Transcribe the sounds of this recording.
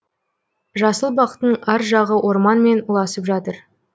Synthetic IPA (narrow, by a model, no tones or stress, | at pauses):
ʒɑsəlˠbɑqt̪əɴæɾʒɑʁəwʔo̞ɾmɑnme̞nulˠɑsəpʒɑt̪əɾ